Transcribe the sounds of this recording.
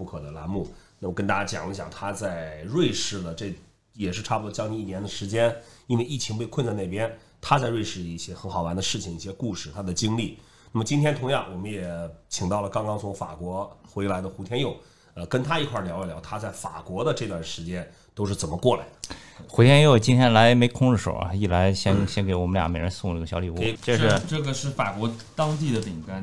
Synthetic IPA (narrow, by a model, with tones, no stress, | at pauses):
u˥˩kʰɤ˨˩d̪ə˦la̰˧˥nmu˥˩na˥˩˨ɔ˩kə˥nt̪a˥˩t͡ɕja˥˩t͡ɕjɑ̰˨˩ŋi˥ɕ̬jɑ̰˨˩ŋt̪ʰa˥t͡sa˥˧ɪɻwe˥˧ɪʂɻ̩˥˩lə˩ʈ͡ʂe˥˧ | jɛ˨˩ʂɻ̩˥˧ʈ͡ʂʰa˥˩pu˧d̪t͡ɕɑ˥ŋni˧i˥˩njɛ˧˥nd̪ə˨ʂɻ̩˧˥t͡ɕjɛ˥ni˥nwe˥˧i˥˩t͡ɕʰi˧˥ŋpe˥˧ɪkʰwə˥˧nt͡sa˥˧ɪn˥˩ɪpjɛ˥n | t̪ʰa˥t͡sa˥˧ɪɻwe˥˧ɪʂɻ̩˥˩˧i˥˩ɕjɛ˥xə˧˥nxɑ˨˩ʊwa˧˥nd̪ə˧ʂɻ̩˥˩t͡ɕʰi˩ŋi˥˩ɕjɛ˥ku˥˧ʂɻ̩˥˩t̪ʰa˥d̪ə˨t͡ɕi˥ŋli˥˩ | na˥˩mə˩t͡ɕi˥nt̪ʰjɛ˥nt̪ʰʊ˧˥ŋjɑ˥˩ŋwɔ˨˩mə˦njɛ˨˩t͡ɕʰi˨˩ŋt̪ɑ˥˩ʊlə˩kɑ˥ŋkɑ˥ŋt͡sʰʊ˧˥ŋfa̰˨˩kwɔ˧˥xwe˧˥ɪla˧˥ɪd̪ə˧xu˧˥t̪ʰjɛ˥njo˥˩ʊ | ə˧kə˥nt̪ʰa˥i˧˥kʰwa˥˩ljɑ˧˥ʊi˧˩ljɑ˧˥ʊt̪ʰa˥t͡sa˥˩ɪfa̰˨˩kwɔ˧˥d̪ə˧ʈ͡ʂɤ˥˧t̪wa˥˩nʂɻ̩˧˥t͡ɕjɛ˥n | t̪o˥ʊʂ̬ɻ̩˥˩t͡sə˨˩mə˦kwɔ˥˩la̰˨˧˥ɪd̪ə˨ | xu˧˥t̪ʰjɛ˥njo˥˩ʊt͡ɕi˥nt̪ʰjɛ˥nla˧˥ɪme˧˥ɪkʰʊ˥ŋɻ̩˥˩ʂo̰˨˩ʊa̰˧˦i˥˩la˧˥ɪɕjɛ˥nɕjɛ˥nke˧˥ɪwɔ˨˩mə˦nljɑ̰˨˩mjɛ˨˥˩ɻə˧˥nsʊ˥˧ŋnə˥˩ɡə˩ɕjɑ˧˥ʊli˧˩wu˥˧˩ʈ͡ʂə˥˧ʂɻ̩˥˧ʈ͡ʂɤ˥˩ɡə˩ʂɻ̩˥˩fa˨˩kwɔ˧˥ | t̪ɑ˥ŋt̪̬i˥˩d̪ə˩t̪i˨˩ŋka˥n